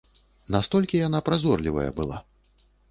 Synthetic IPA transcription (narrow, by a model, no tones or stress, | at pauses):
nast̪ɔlʲkʲijanapɾazɔrlʲivɐ̰jɐ̰bɨlˠa̰